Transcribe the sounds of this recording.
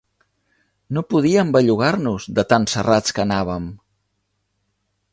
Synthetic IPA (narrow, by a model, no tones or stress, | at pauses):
nopuð̞iəmbəʎuɣarnuzðət̪ansərat͡skənaβ̞əm